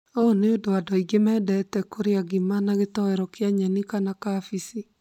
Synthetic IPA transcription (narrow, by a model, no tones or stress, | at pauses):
ɔneodoadɔiɡemɛːdɛtɛkoɾeaɣimanaɣetɔɛɾɔkjaɲanikanakafisi